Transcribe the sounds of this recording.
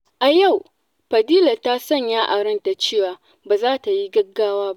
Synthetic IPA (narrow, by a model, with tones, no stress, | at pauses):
ʔa˨ja˦˨w | ɸɐ˨diː˦la˨ta˦sɐ˦˨ɲjaː˦ʔa˨ɽɐ˦nta˨t͡ʃeː˦˨waː˨ | baː˨zaː˦ta˨ji˦ɡɐ˦ɡːaː˦waː˦ba˦ʔ